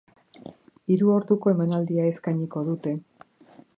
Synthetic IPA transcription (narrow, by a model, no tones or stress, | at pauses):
iɾuo̞ɾðuko̞e̞manald̪iae̞skajɲiko̞ðut̪e̞